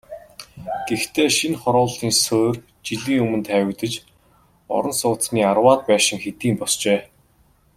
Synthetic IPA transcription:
ɡ̥ext̪ʰeːʃinχɔɾʊːɮt̪iːnsoːr | t͡ɕiɮiːŋɵmɵ̆nt̪ʰæːwɪ̆ɣt̪ə̆t͡ɕ | ɔ̰ɾɞ̆nsʊːt͡s̪sniːarwaːt̪̚pæːʃɪ̆ŋxet̪iːmpɔst͡ɕeː

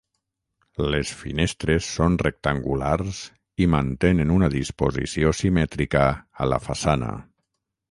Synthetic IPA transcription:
lesfinest̪ɾesːonrek̚t̪aŋɡularz | imant̪enenunaðispozḭsiosimɛt̪ɾikəːla̰fasanə̰

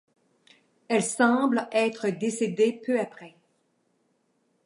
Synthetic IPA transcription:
ɛlsɑ̃blɛːt̪χəd̪esed̪epʰøapχɛ

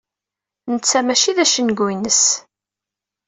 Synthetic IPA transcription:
nət͡sːæmæʃiðæʃənɡujnəs

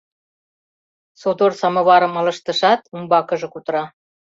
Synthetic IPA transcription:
sod̪orsɑmɤ̆βɑɾɤ̆mɤ̆lɤ̆ʃt̪ə̆ʃɑt̪umbɑkɤ̆ʒɤ̆kut̪ɾɑ

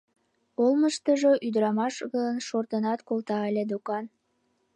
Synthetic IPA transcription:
olməʃt̪əʒoʔyd̪ɾɑmɑʃɣənʃort̪ənɑt̪kolt̪ɑelʲed̪okɑn

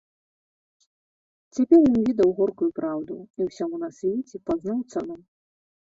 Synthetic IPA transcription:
t͡sʲapʲɛrjɔnvʲid̪ɐwɣɔrkujupɾawd̪uiwsʲamunasʲvʲet͡sʲɛpad̪znawt̪sanɔm

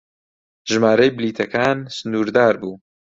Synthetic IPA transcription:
ʒɨmaːɾɐjbɪliːt̪ʰɐkaːnsɨnuːɾd̪aːɾbuː

